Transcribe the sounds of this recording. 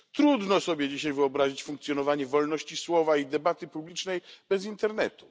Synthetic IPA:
t̪ɾud̪nɔsɔbʲjɛd͡ʑiɕajvɘɔbɾaʑit͡ɕfuŋkt̪sʲjɔnɔvaɲɛvɔlnɔɕt͡ɕiswɔvaid̪ɛbat̪ɘpublʲit͡ʂnɛjbɛzint̪ɛɾnɛt̪u̥

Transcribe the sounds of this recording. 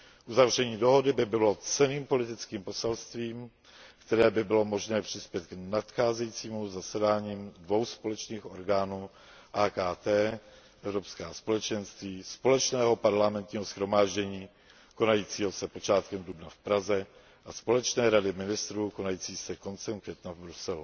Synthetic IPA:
ʔuzavr̝ɛɲiːdo̞ɦo̞dɪbɪbɪlo̞t͡sɛniːmpo̞lɪt̪ɪt͡skiːmpo̞sɛlst̪viːm | kt̪ɛɾɛːbɪbɪlo̞mo̞ʒnɛːpr̝̥ɪspjɛt̪ɡnat̪xaːzɛjit͡siːmuzasɛdaːɲiːmdvo̞wspo̞lɛt͡ʃniːxʔo̞ɾɡaːnuː | ʔaːkaːt̪ɛː | ʔɛvɾo̞pskaːspo̞lɛt͡ʃɛnst̪viːspo̞lɛt͡ʃnɛːɦopaɾlamɛnt̪ɲiːɦo̞sxɾo̞maːʒɟɛɲiː | ko̞najiːt͡siːɦo̞sɛpo̞t͡ʃaːt̪kɛmdubnafpɾazɛ | ʔaspo̞lɛt͡ʃnɛːɾadɪmɪnɪst̪ɾuːko̞najiːt͡siːsɛko̞nt͡sɛmkvjɛt̪navbɾusɛlu

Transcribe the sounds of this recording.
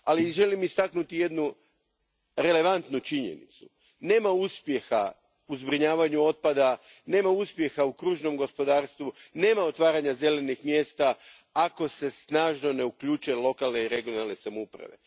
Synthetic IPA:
aliʒe̞limist̪aknut̪ije̞d̪nu | ɾe̞le̞ʋant̪nut͡ʃiɲe̞̰nḭt̪su̥ | ne̞ːmauspje̞xa | uzbɾiɲaːʋaɲuo̞t̪̚pad̪ane̞ːmauspje̞xaukɾuːʒno̞mɡo̞spo̞d̪aːɾst̪ʋune̞ːmao̞t̪ʋaːɾaɲaze̞le̞nixmje̞ːst̪a | ako̞se̞snaːʒno̞ne̞ukʎuːt͡ʃuelˠo̞kalne̞iɾeɡijonalˠne̞samoupɾa̰ʋe̞̰

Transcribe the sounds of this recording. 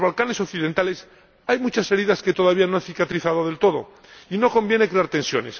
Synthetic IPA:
zβalkane̞so̞kθiðe̞nt̪ale̞s | ajmut͡ʃase̞ɾiðaske̞t̪o̞ð̞aβ̞ianoanθikat̪ɾiθaðo̞ð̞e̞lt̪o̞ð̞o̰ | ino̞ko̞mbje̞ne̞kɾeaɾt̪e̞nsjo̞̰nes

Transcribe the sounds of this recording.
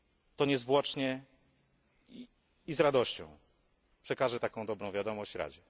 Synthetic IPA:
t̪ɔɲɛzvwɔt͡ʂɲɛ | i | izɾad̪ɔɕt͡ɕɔ̰̃w̃ | pʂɛkaʐɛt̪akɔ̃w̃d̪ɔbɾɔ̃w̃vʲjad̪ɔmɔɕt͡ɕɾa̰d͡ʑɛ

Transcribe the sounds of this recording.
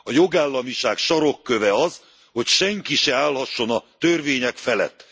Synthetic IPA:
ɒjo̞ɡaːlːɒmiʃaːkʃɒɾo̞kːøvɛɒz | ho̞cʃɛŋkiʃɛaːlhɒʃːo̞nɒt̪ørveːɲɛkfɛlɛ̰t̪ː

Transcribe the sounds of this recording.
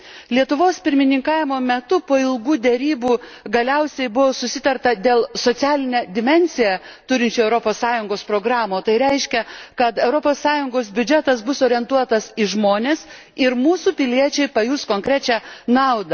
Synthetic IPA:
lʲiɛt̪ʊʋoːspʲɪɾʲmʲɪnʲɪŋkɑːʋʲɪmoːmʲɛt̪ʊpoːɪlˠɡuːd̪ʲɛɾʲiːbuːɡɐlʲɛʊsʲɛɪbʊʋoːsʊsʲɪt̪ɐɾt̪ɐd̪ʲeːlˠsoːt̪sʲæːlʲɪnʲɛːd̪ʲɪmʲɛnʲsʲɪjɛ | t̪ʊɾʲɪnʲt͡ʃʲuːɛʊɾopoːssɑːjʊŋɡoːspɾoːɡɾɑːmoːt̪ɐɪɾʲɛɪʃʲkʲɛkɐt̪ɛʊɾopoːsːɑːjʊŋɡoːsbʲʊd͡ʒʲɛt̪ɐsbʊsoːɾʲɪɛnt̪uɔt̪ɐsɪʒmoːnʲeːs | ɪɾmuːsuːpʲɪlʲiɛt͡ʃʲɛɪpɐjuːskoːŋʲkɾʲæt͡ʃʲænɐʊd̪ɐ

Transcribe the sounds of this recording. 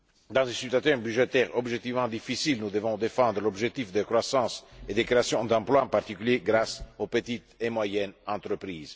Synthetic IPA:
d̪ɑ̃zẽsyt̪at̪ɛbyʒet̪ɛʁɔbʒek̚t̪ivmɑ̃d̪ifisilnud̪əvɔ̃d̪efɑ̃d̪ɾəlɔbʒek̚t̪ifd̪əkɾwasɑ̃ːsed̪ekɾeasjɔ̃d̪ɑ̃plwaɑ̃part̪ikyljeɡɾasopət̪it̪emwajɛnɑ̃nt̪ɾəpɾiːz

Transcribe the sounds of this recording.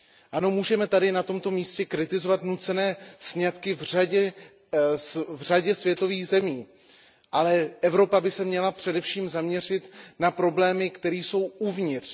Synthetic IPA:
ʔano̞muːʒɛmɛt̪adɪnat̪o̞mt̪o̞miːscɛkɾɪt̪ɪzo̞vat̪nut͡sɛnɛːsɲat̪kɪvraɟɛ | vraɟɛsvjɛt̪o̞viːɣzɛmiː | ʔalɛʔɛvɾo̞pabɪsɛmɲɛlapr̝̥ɛdɛfʃiːmzamɲɛr̝ɪt̪napɾo̞blɛːmɪkt̪ɛɾiːso̞wuvɲɪt̪r̥

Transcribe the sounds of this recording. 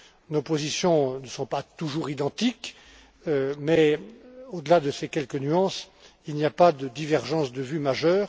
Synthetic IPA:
nopozisjɔ̃nəsɔ̃pat̪uʒuʁid̪ɑ̃t̪ik | ømɛ | od̪əlad̪əsekʲɛlkənyɑ̃s | ilnijapad̪əd̪ivɛʁʒɑ̃sd̪əvymaʒœːʁ

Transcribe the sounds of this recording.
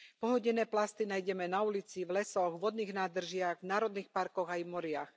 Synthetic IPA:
pɔɦɔɟɛnɛːplast̪inaːjɟɛmɛnaulit͡sivlɛsɔɣʋɔd̪niːɣnaːd̪r̩ʒɪaɣvnaːɾɔd̪niːxpaɾkɔɣajmɔɾɪax

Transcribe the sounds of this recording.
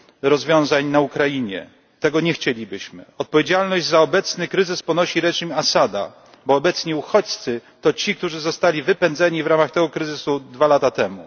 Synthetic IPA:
ɾɔzvʲjɔ̃w̃zaɲnaukɾajiɲɛ̰ | t̪ɛɡɔɲɛxt͡ɕelʲibɘɕmɘ̰ɔt̪̚pɔvʲjed͡ʑalnɔʑd͡ʑʲzaɔbɛt̪snɘkɾɘzɘspɔnɔɕiɾɛʐimasad̪a̰ | bɔːbɛt̪sɲɛuxɔt͡ɕt̪sɘt̪ɔt͡ɕik̚t̪uʐɘzɔst̪alʲivɘpɛnd̪zɛɲivɾamaxt̪ɛɡɔkɾɘzɘsud̪valat̪at̪ɛmṵ

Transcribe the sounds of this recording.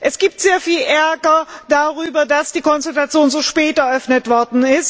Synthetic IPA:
ʔɛsɡ̥iːp̚tz̥eːɐfiːlʔɛɐɡɐd̥aʁyːbɐdasd̥iːkʰɔnstatat͡sjoːnzoːʃpɛːtɛɐʔœfnətv̥ɔɐdn̩ɪst

